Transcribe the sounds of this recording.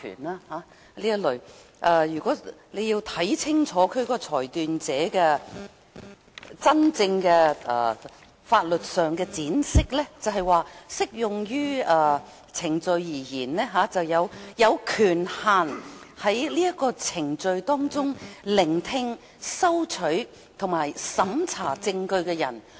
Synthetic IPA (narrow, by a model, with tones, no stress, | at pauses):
y̰ː˨˩naː˧haː˨˥ | liː˥ɐ˥t̚lɵ˨˩ɥʔaː˧jyː˨˩kɔː˨˥le˨˧jiː˧wt̪ʰɐ˨˥jt͡sʰɪ˥ŋt͡ʃʰɔː˨˥kʰɵ˨˧kɔː˧t͡sʰɔː˨˩jt̪yː˨nt͡sɛː˨˥kɛː˧ | t͡sɐ˥nt͡sɪ˧ŋkɛ̰ː˧˨˩ | faː˧t̚lɵ˨t̚sœː˨˩ŋkɛː˧t͡siː˨˥nsɪ˥k̚lɛː˥t͡sɐ˨wɦɐ˨jwaː˨˧sɪ˥k̚jʊ˨ŋjyː˥ɐː˧ | t͡sʰɪ˨˩ŋt͡sɵ˧ɥjiː˨˩jiː˨˩nnɛː˥ɦaː˨˧˥t͡sɐ˨wjɐ˨˧wjɐ˨˧wkʰyː˨˩nhaː˨nhɐ˨˥jliː˥jɐ˥kːɔː˧t͡sʰɪ˨˩ŋt͡sɵ˧ɥt̪ɔː˥ŋt͡sʊ˥ŋlɪ˨˩ŋt̪ʰɪ˧ŋ | sɐ˥wt͡ʃʰɵ˨˥ɥ | t̪ʰʊ˨˩ŋmaː˨˩jsɐ˨˥mt͡sʰaː˨˩t͡sɪ˧ŋkɵ˧ɥkɛ˧jɐ̰˨˩n